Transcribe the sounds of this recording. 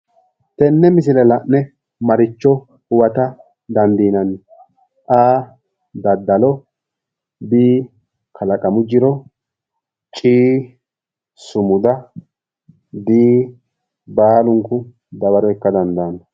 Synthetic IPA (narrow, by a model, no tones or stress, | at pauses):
t̪ɛnːɛmɪsɪlɛlɐʔnɛ | mɐɾɪt͡ʃːɔ | ʊwɐt̪ɐ | d̪ɐnd̪iːnɐn | ʔaː | d̪ɐd̪ːɐlɔ | biː | kʰɐlɐkʼɐmʊd͡ʒɪɾɔ | t͡ʃʼiː | sʊmʊd̪ɐ | b̪iː | baːlʊŋkːʊ | bɐbɐɾɔɛkːɐd̪ɐnd̪aːn